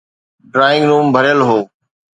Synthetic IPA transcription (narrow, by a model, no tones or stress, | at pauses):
ɖɾaːɪ̃ŋɡnuːmbʱəɾjəlɦoː